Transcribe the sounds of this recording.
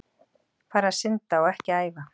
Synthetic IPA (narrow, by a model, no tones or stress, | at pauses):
kfaːɾasɪnt̪aɔɣɛhcɪaːjva